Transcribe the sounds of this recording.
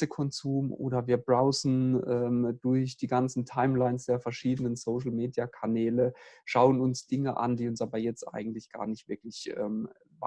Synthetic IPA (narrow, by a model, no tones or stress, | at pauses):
əkʰɔnzuːmʔo̰ːdɐviːɐbʁaʊzn̩ʔɛːmd̥ʊɐçd̥iːɡant͡sn̩tʰaɪmlaɪnsd̥eːɐfɛɐʃiːdənənsoʊʃl̩meːdjakʰanɛːləʃaʊənʊnsd̥ɪŋəʔa̰nd̥iːʊnsʔaːbɐjɛt͡stʔa̰ɪɡŋ̩tlɪçɡ̥a̰ːɐnɪçtv̥ɪɐklɪçʔɛ̰ːm | va